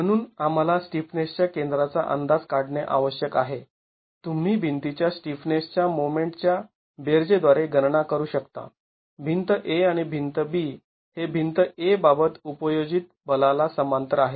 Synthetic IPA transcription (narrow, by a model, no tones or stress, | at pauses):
m̤əɽ̃uːnam̤alasʈifnest͡ɕjakend̪ɾat͡sa̰ʔə̰nd̪ad͡zkaɽɳeʔa̰ʋəɕjəkaɦe | t̪um̤iːbʱint̪it͡ɕjasʈifnest͡ɕjamomeɳʈt͡ɕja | beɾd͡zed̪ʋaɾeɡəɾɳakəɾuːɕəkt̪a̰ | bʱint̪əʔeaɽ̃ibʱint̪əbiː | hebʱint̪əebabət̪upəjod͡ʑit̪̚bəlalasəmant̪əɾaɦe